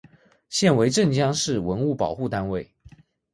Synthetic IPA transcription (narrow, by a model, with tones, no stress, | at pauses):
ɕjɛ˥˩nwe˧˥ɪʈ͡ʂə˥˨˩ŋt͡ɕjɑ˥ŋʂɻ̩˥˩wə˧˦˥nu˥˩pɑ˨˩ʊxu˥˩t̪a˦nwe˥˩ɪ